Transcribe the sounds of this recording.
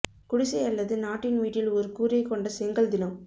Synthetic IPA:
kʊɽɪsɐjɐlːɐðɯnaːʈːɪnʋiːʈːɪlɔɾɯkuːɾɐɪkːɔɳɖɐsɛŋɡɐɭd̪ɪnɐm

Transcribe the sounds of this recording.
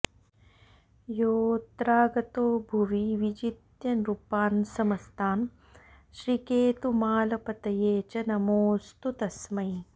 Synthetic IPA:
joːt̪ɾaːɡɐt̪oːbʱuʋiʋid͡ʒit̪jɐnɾupaːnsɐmɐst̪ʰaːn | ʃɾikeːt̪umaːlɐpɐt̪ɐjeːt͡ʃɐnɐmoːst̪ut̪ɐsmɐj

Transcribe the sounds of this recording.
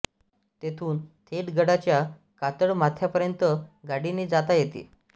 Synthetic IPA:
t̪et̪ʰuːnt̪ʰeʈɡəɽat͡ɕja | kat̪əɽmat̪ʰjapəɾjənt̪əɡaɽiniːd͡zat̪ajet̪ḭː

